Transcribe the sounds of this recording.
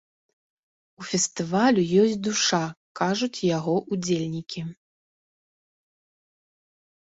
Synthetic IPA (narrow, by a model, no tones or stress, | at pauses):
ufʲɛst̪ɨvalʲujɔsʲtʲt͡sʲd̪uʂakaʐut͡sʲjaɣɔʔud͡zʲelʲnʲikʲi